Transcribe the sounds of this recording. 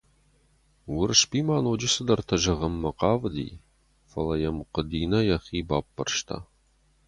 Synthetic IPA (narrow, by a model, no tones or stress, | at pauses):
wʊɾɨʃpiːmaːnoːd͡ʒɪsɨd̪ɐrt̪ʰɐʒɐʁɐmːɐqɑːvd̪ḭː | fɐlɐjɐmqəd̪iːnɐjɐχiːbaːpːɐ̰rʃt̪ʰa̰ː